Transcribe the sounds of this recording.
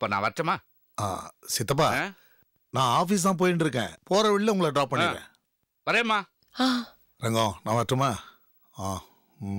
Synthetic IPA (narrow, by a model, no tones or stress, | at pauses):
ɪpːoːnã̰ːʋɐʈːɐmaː | a̰ːsɪt̪ːɐp̬ːaː | nãːaːfiːs̬t̪ãːp̬oːjɪnɖɪɾɯkːḛ̃ːpoːɾɐʋɪɭɪlːɐʊŋɡɐɭɐɖɾaːp̚pːɐɳːɪɾḛ̃ː | ʋɐɾeːmaː | a | ɾɛŋɡõːnãːʋɐʈːɐmaː | aː